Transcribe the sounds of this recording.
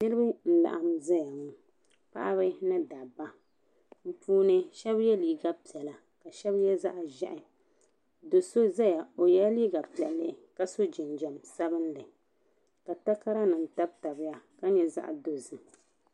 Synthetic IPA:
nɨ˦ɾɨ˦ba˦n̩˦la̰˨ʔa˨mza˦ja˨mu˦ | pa̰˦ʔa˦βɨ˦na˦da˨ba˦ | m̩˦puː˦nɨ˦ʃɛ˦bjɛ˦liː˨ɡa˦pi˨ɛ˨la˨ | ka˨ʃɛ˦bjɛ˦za̰˦ʔa˨ʒɛ̰˦ʔɪ˨ | do˨so˦za˦ja˨o˨jɛ˦liː˦ɡa˨pi˨ɛ˨lːɨ˦ka˦so˦d͡ʒɪ˨nd͡ʒɛ˨msa˦bɨ˦nlɨ˨ | ka˨ta˦ka˦ɾa˦nɨ˨n˨ta˦b̚ta˨bɪ˦ja˦ka˦ɲɛ˨za̰˦ʔa̰˨do˨zɨ˨

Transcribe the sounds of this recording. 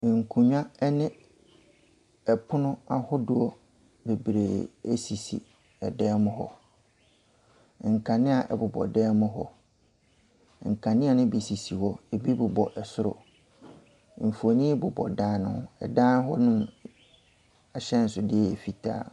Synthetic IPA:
ŋ̩˨kʰũ˨ɲᶣã˦ɛ˦nɪ̃˦ | ɛ˨pʰʊ˦nʊ̃˦a˨hʊ˦dʊ˦ɔ˦ | be˨bɾe˨e˦si˨sḭ˨ | ɛ˨dɛː˦mʊ̃˦ɦɔ̰˦˨ | ŋ̩˨kʰã˨nɪ̃˦a˨ʔɛ̰˨bʊ˨bɔ̰˨dɛː˦mʊ̃˦ɦɔ̰˦˨ | ŋ̩˨kʰã˨nɪ̃˦a˨nʊ̃˦bi˨si˨si˨hɔ˦e˨bi˦bʊ˨bɔ˨ʔɛ˨sʊ˦ɾʊ̰˨˦ | m̩˨fu˨o˨nĩ˦bʊ˨bɔ̰˨dãː˦nʊ̰̃˦ʊ˨ɛ˨dãː˦n˦ɦɔ˦nʊ̃˦m | a˨ɕɛ̃˦n̩˨sʊ˨dɪ˦ɛ˦˨e˨fi˨tʰa̰ː˦

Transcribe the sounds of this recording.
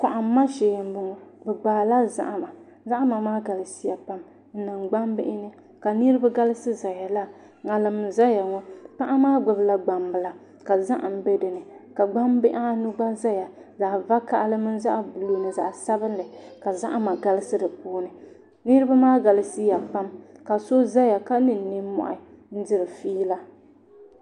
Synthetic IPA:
ka˨ʔa˨m˦ma˦ʃe˨jm̩˦bʊ˦ŋɔ˨bɛ˨ɡ͡baː˨la˦za̰˦ʔa˦ma˨ | za˦ʔa˦ma˨maː˦ɡa˨lɨ˨si˦ja˨pa˦m | n̩˦nɨ˨ŋɡ͡ba˦mbɪ˦ʔɪ˦nɨ˦ | ka˨nɨ˦ɾɨ˦ba˦ɡa˦lɨ˦sɨ˦za˨ja˨la˦ | ŋa˨lɨ˨mɨ˦n˨za˦ja˨ŋɔ˦k͡pa˦ʔa˦maː˦ɡ͡bʊ˨bla˦ɡ͡ba˨mbɨ˨la˨ | ka˨za˦ʔa˨m̩˦bɛ˦dɨ˨nɨ˨ka˨ɡ͡ba˦mbɪ˦ʔa˦nʊ˦ɡ͡ba˦za˦ja˨za˨ʔva˦ka˨ʔa˦lɨ˦mɨ˦nza˦ʔa˨bu˨lu˦nɨ˨za˨ʔsa˦bɨ˦n˦lɨ˨ka˨za̰˦ʔa˦ma˨ɡa˦lɪ˦sɨ˦dɨ˨puː˦nɨ˨ | nɨ˦ɾɨ˦ba˦maː˦ɡa˨lɨ˦si˦ja˨fa˦mka˨so˦za˦ja˨ka˦nɨ˨n̩ː˨ɪ˦mɔ̰˨ʔɪ˨ | n̩˦dɪ˦ɾɨ˨fiː˦la˦

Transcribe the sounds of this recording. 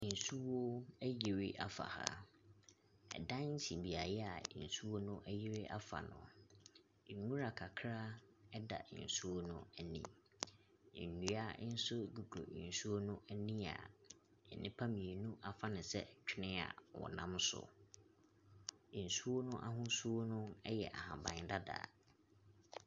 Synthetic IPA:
n̩˨su˦wo˦æ˦je˨ɾe˦ʔa˨fa̰˨ha̰˦˨ | ɛ̰˨dã˦n˦n̩˦sĩ˨bi˨a˨jɛ˦a˨n̩˨su˦wo˦nʊ̃˦ʔæ˦je˦ɾe˦ʔa˦fa̰˨nʊ̰̃˨ | ŋũ˦ɾa˨kʰa˨kʰɾa˦ | ɛ˦da̰˨n̩˨su˦wo˦nʊ̃˦æ˨nḭ̃˨ | nu˨a˦n̩˦sʊ˦ɡu˨kʰo̰˨n̩˨su˦o˦nʊ̃˦ʔæ˦nĩ˦a̰˨ | ɛ˨nɪ̃˦pʰa˦mĩ˨e˨nũ˦ʔa˨fa˦nɪ̃˨sɛ̰˦t͡ɕᶣʰɪ˦nɪ̃˦a̰˨wɔ̰˨nã˦msʊ̰˨ | n̩˨su˦o˦nʊ̃˦ʔa˦ɦʊ̃˦su˦o˦nʊ̃˦ɛ˦jɛ˨ʔa˨hã˨bã˨ɲ˨da˦da̰ː˨˦

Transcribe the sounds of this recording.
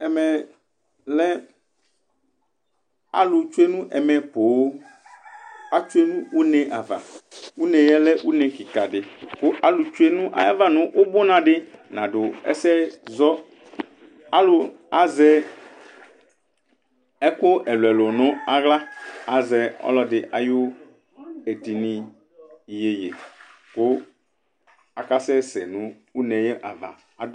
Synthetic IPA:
ɛ˨mɛ̃˨ | lɛ˦ | a̰˦lu˨t͡ʃu˦e˦nũ˦ʔɛ˨mɛ̃˨po˨wo˦ | a˦t͡ʃu˦e˦nũ˦wu˦nɛ̃˨ʔa˨va̰˨wu˦nɛ̃˨jɛ˦lɛ˦wu˦nɛ̃˨ki˨ka˨ɖɪ˨ko˦ʔa˦lu˨t͡ʃu˦e˦nũ˦ʔa̰˨ja̰˦va˦nõ˨wʔo˦bo˦nã˨ɖɪ˦nã˨ɖo˨ɛ̰˦sɛ˦zɔ˦ | a˦lʊ˨ | a˨zɛ˦ | ɛ˦ko˦ɛ˨lɛ˨lo˨nʊ̃˦a˨ɣla˦a˨zɛ˨ɔ̰˦lɔ˦dɪ˨ʔa˨jo˦ | e˨di˨nĩ˨ | je˨jḛ˨ | ko˦ | a˨ka˦sɛ˦sɛ˨nũ˦ | u˦nɛ̃˨jɛ˦ʔa̰˨va̰˨ | a˨d

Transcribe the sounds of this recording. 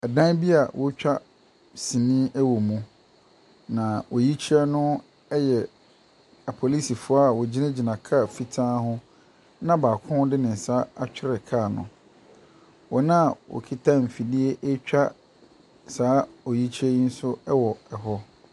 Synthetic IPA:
ɛ˨dã˦n˦bi˦a˨wʔɔ˦t͡ɕᶣa˦ | sĩ˨nĩ˦ʔɛ˦wo˨mũ˨ | nã˨wʔɔ˨ji˦t͡ɕʰi˦ɛ˦nʊ̃˦ | ɛ˦jɛ˨ | a˨pʰɔ˨li˦si˨fʊ˦a˦˨wɔ˨d͡ʑi˦nã˦d͡ʑi˨nã˨kʰa˦˨fi˨tʰã˦ɦʊ̃˦ | nã˦baː˨kʰʊ̃˦dɪ˦nɪ̃˨n˨saː˨˦a˨t͡ɕᶣɪ˦ɾɛ˨kʰa˦˨nʊ̰̃˨ | wɔ˨nã˦˨wɔ̰˨kʰi˦tʰã˦m̩˨fi˨di˦e˦ʔɛ˦t͡ɕᶣa˦ | saː˦ɔ˨ji˦t͡ɕʰi˦ɛ˦i˦n̩˦sʊ˦wɔ˨ɛ˨ɦɔ˦

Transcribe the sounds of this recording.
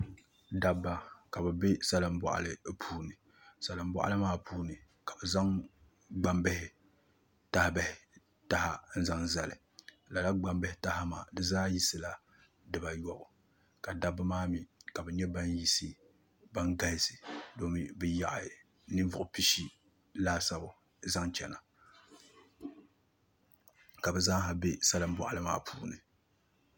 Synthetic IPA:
da˨bːa˦ka˨bɛ˨be˦sa˦lɨ˨m˦bɔ̰˨ʔa̰˦˨lɨ˨pʰuː˦nɨ˨ | sa˨lɨ˨m˦bɔ̰˦ʔa̰˦lɨ˦maː˦pʰuː˦nɨ˨ | ka˨bɛ˨za˦ŋ | ɡ͡ba˦mbɛ˦hɪ˨ | ta˦hɪ˨bɛ˦hɪ˨ | ta˦ha˦n̩˦za˦ŋza˨lɨ̰˨ | la˨la˦ɡ͡ba˦mbɛ˦hɪ˦ta˦ha˦ma̰ː˨dɨ˦zaː˦ji˦sɨ˦la˨ | dɨ˨ba˨jɔ˨ʔʊ˨ | ka˨da˦bɨ˦maː˦mi˨ka˨bɛ˨ɲɛ˦ba˦nji˦sɨ˦ | ba˦ŋɡa˦lɪ˦sɨ˨do˦mi˨bɨ˦ja˨ʔa˨ | nɨ˦vʊ˨ʔʊ˨pi˦ʃi˦ | laː˦sa˦bʊ˨ | za˦ŋt͡ʃɛ˨na˨ | ka˨bɛ˨zaː˦ɦa˨be˦sa˦lɨ˦m̩˦bɔ̰˨ʔa˨lɨ˦ma̰ː˦pʰuː˦nɨ˨

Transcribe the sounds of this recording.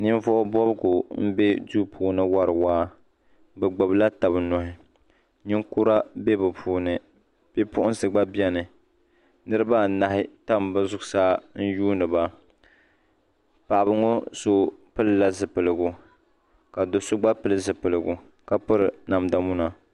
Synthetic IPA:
nɨ˦n˦vɔ˦ʔʊ˦bɔ˦bɨ˦ɡʊ˨m̩˦be˦duː˦pʰuː˨nɨ˦wa˦ɾɨ˨waː˦ | bɨ˨ɡ͡bo˨bla˦ta˨bɨ˨nɔ˨hɪ˨ | ɲɪ˦ŋku˦ɾa˦be˦bɨ˨pʰuː˨˦nɨ˨ | b̥e˦pʊ˦ʔʊ˦n˦sɨ˨ɡ͡ba˦bjɛ˦nɨ˨ | nɨ˦ɾɨ˦ba˦˨na˨hɪ˦ta˦m˨bɨ˦zʊ˦ɡsaː˦n̩˦juː˦nɨ˨ba˦ | pa˨ʔa˨bɨ˦ŋo˦so˦pɨ˦lɨ˦la˦zɨ˨pɨ˨lɨ˨ɡu˨ | ka˨do˨sʊ˦ɡ͡ba˦pɨ˦lɨ˦zɨ˨pɨ˨lɨ˨ɡu˨ | ka˦pɨ˦ɾɨ˨na˨mda˨mu˦na˨

